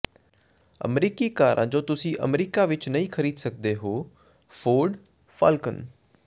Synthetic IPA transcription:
ə̰mɾiːkiːkaːɾʔã̰ːd͡ʒoːt̪ʊsĩːʔə̰mɾiːkaːʋɪt͡ʃnəĩːkʰəɾiːd̪sək̚d̪eːɦoː | fʰoːɖ | pʰa̰ːlkən

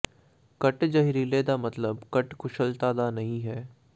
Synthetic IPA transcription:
kɐʈd͡ʒɐɦɾileːd̪amɐt̪ləbkɐʈkʊʃəlt̪aːd̪anɐɦĩɦɛː

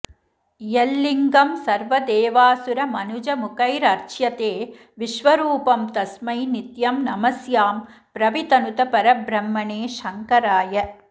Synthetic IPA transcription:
jelːiŋɡɐmsɐɾʋɐd̪eːʋaːsuɾɐmɐnud͡ʒɐmukɐjɾɐɾt͡ʃjɐt̪eː | ʋiʃʋɐɾuːpɐmt̪ɐsmɐjnit̪jɐmnɐmɐsjaːm | pɾɐʋit̪ɐnut̪ɐpɐɾɐbɾɐmːɐɳeːʃɐŋkɐɾaːjɐ

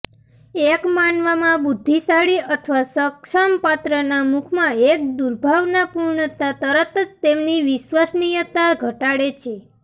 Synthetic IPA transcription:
ekmanʋamãbud̪ʱːisaɽiət̪ʰʋasəkʃampat̪ɾənamukʰmãek̚d̪uɾbʱaʋnapuɾɳət̪at̪əɾət̪əd͡ʒt̪emniʋiʃʋəsnijət̪aɡʱəʈaɽet͡ʃʰe

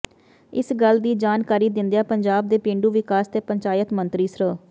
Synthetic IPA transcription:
ɪsɡəld̪iːd͡ʒaːnkaːɾiːd̪ɪ̃nd̪jaːpəɲd͡ʒaːb̚d̪eːpẽːɳɖuːʋɪkaːst̪eːpəɲt͡ʃaːjət̪mənt̪ɾiːsɾə

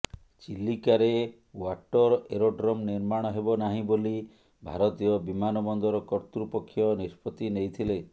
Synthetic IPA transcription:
t͡ʃilːikaɾe | waʈɔɾɔeɾoɖɾɔmniɾmaɽ̃ɔɦebɔnaɦĩboli | bʱa̰ɾɔt̪ijɔbimanɔbɔnd̪ɔɾɔkɔɾt̪ɾupɔkʰːjɔnispʰɔt̪inejt̪ʰile

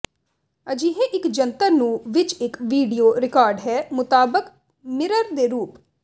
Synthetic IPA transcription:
əd͡ʒiːɦeʔɪkd͡ʒənt̪əɾnũːʋɪt͡ʃɪkʋiːɖijoːɾɪkaːɾɖɦɛːmʊt̪aːbək | mɪɾəɾd̪eːɾuːp

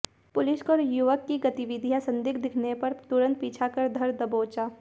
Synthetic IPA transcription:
pʊlɪskɔɾjuʋəkːiɡɐt̪ɪʋɪd̪ʱijasɐ̃nd̪ɪkʰd̪ɪkʰnepɐɾt̪ʊɾə̃nt̪̚piːt͡ʃʰakɐɾd̪ʱɐɾd̪ɐboːt͡ʃaː

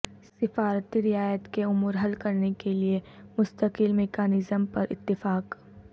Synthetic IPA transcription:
ssɪfaːɾt̪iɾɪaːjət̪keʊmuːɾɦɐlkɐɾnekeliemʊst̪əkɪlmekaːnɪzəmpɐɾɪ̰t̪ːɪfaːq

